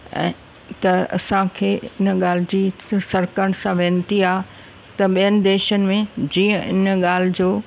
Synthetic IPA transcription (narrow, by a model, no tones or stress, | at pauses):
ɛ̰̃ː | t̪ɐɐ̰sãkʰeːɪnɠaːl̤ɪd͡ʑiːsɐɾkəɽ̃sãʋẽːnt̪iaːɦ | t̪ɐɓijənɪ̆d̪eːʃənɪ̆mẽd͡ʑĩːə̃ʔɪ̰nɠaːl̤ɪd͡ʑoː